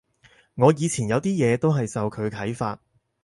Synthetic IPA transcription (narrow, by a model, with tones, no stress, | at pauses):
ŋɔː˨˧jiː˨˧t͡sʰiː˨˩njɐ˨˧wt̪iː˥jɛː˨˧t̪o˥wɦɐ˨jsɐ˨wkʰɵ˨˧ɥkʰɐ˨˥jfa̰ː˧t̚